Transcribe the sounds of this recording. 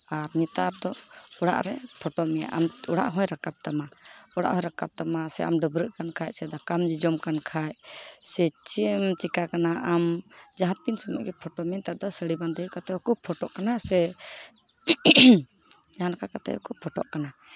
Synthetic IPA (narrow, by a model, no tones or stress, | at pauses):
aɾɲit̪aɾd̪ɔuɽa̰ʔɾɛ̰pʰɔʈɔmɛja̰ʔamuɽa̰ʔɦɔ̃jɾakab̚t̪amaɔɽa̰ʔɦɔ̃jɾakab̚t̪amasɛ̰ʔa̰mɖəbɾəʔ̚kankʰajsɛd̪ɔkamd͡ʒid͡ʒɔmkankʰajsɛt͡ʃimt̪ikakanaʔamd͡ʒaɦãt̪̚ːinsɔmṵʔɡɛpʰɔʈɔmint̪aʔd̪ɔsəɽiband̪əjkat̪ɛɔkupʰːɔʈɔʔkanasɛ | d͡ʒaɦankakat̪ɛ̰ukupʰɔʈɔ̰ʔkana